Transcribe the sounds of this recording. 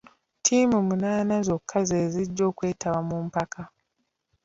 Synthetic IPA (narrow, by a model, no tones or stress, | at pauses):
tʰiːmumunaːnazo̞kʰːazeːziɟːo̞ːkwe̞ːtaβamumpakʰa